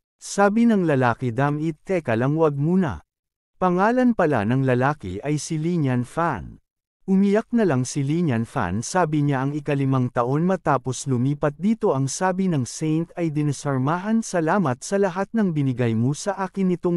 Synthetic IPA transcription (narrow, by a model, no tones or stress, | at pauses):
saːbinɐŋlɐlaːkɪd̪amit̪ʰːɛkɐlɐŋwɐɡ̚muːnɐ̰ | pɐŋaːlɐnpɐla̰nɐŋlɐlaːkɪ̰ʔɐjsiliɲɐnfan | ʔʊmɪjak̚nɐlaŋsiliɲɐnfa̰nsaːbɪɲaʔɐŋɪkɐlɪmɐŋt̪ɐʔo̞nmɐt̪aːpo̞slʊmiːpɐt̪̚d̪iːt̪o̞ʔɐŋsaːbinɐŋsɛjnt̪ɐjd̪ɪnɐsɐɹmaːɦɐnsɐlaːmɐt̪̚sɐlɐɦat̪̚nɐŋbɪnɪɡajmosɐʔaːkɪnːɪt̪oŋ